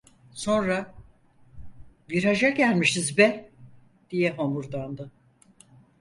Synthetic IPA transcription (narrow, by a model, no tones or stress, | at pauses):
so̞nɾa | biɾad͡ʒaɟælʲmiʃizbɛ | d̪̥ijɛɦomuɾd̪and̪ɯ